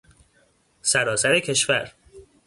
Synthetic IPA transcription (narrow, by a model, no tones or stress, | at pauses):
sæɾɒːsæɾecʰe̞ʃvæɾ